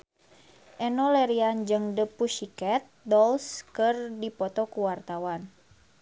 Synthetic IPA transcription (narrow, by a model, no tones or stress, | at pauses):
ʔɛnɔlɛɾiand͡ʒɨŋdəpuʃikɛt̪̚dɔlskərdipɔt̪ɔkuwart̪awan